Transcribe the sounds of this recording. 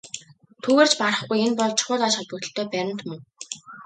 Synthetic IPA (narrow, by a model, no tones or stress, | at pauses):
t̪ʰuɣeːrt͡ɕpaɾə̆χɡujenpɔɮt͡ɕʰʊ̥χʊːt̪aːʃχɔt̪̚pə̆t̪ə̆ɬt̪ʰœːpæɾə̆n̥t̪mɵŋ